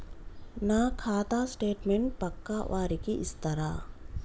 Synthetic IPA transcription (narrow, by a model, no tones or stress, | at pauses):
nakʰaːt̪asʈeːʈmeɳʈ̚pɐkːaʋaːɾikiʔɪst̪ɐɾa